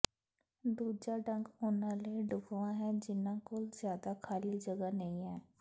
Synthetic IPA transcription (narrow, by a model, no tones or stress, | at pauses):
d̪uːd͡ʒaɖə̃ŋɡʊnaleɖʊkʋãɦɛ̃d͡ʒɪnãkʊlzjaːd̪akʰaːlid͡ʒɐɡənɐɦĩɦɛː